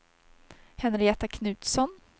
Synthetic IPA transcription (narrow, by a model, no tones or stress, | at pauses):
hɛnɾɪɛt̪akʰnʉ̟ːt̪sɔn